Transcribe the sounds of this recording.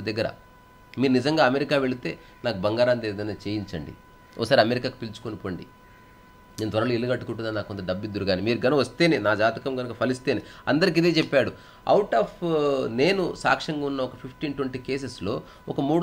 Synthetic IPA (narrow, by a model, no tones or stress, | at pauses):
d̪ɐɡːɐɾɐ̰ | miːɾunid͡ʒɐŋɡaːɐmeɾikaːʋe̞ɭit̪e̞ː | naːkubɐŋɡaːɾaːnt̪eːd̪ɐjnaːt͡ʃeːjiɲt͡ʃɐɳɖḭ | ɔ̰kɐsaːɾiɐmeɾikaːku̥pilt͡ʃu̥konipo̞ːɳɖḭ | neːnɐt̪ʋɐɾɐloːilːuɡɐʈːukuʈund̪aːnaːkːont̪ɐɖɐbːid̪ːuɾuɡaːnimiːɾuɡɐnɐʋɐst̪e̞ːnenaːd͡ʒaːt̪ɐkɐmɡɐnukɐpʰɐlist̪e̞ːneɐ̰nd̪ɐɾik̬id̪e̞ːt͡ʃɛpːaːɽu | ɐ̰wʈaːpne̞ːnusa̰ːkʂɐŋɡaːunːɐɔkɐpʰipʰʈiːnʈwɐɳʈiːke̞ːs̬eslo̞̰ː | ɔkɐmuːɽ